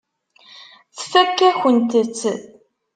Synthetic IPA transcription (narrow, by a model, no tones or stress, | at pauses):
θfækːæçənt̪ət͡sː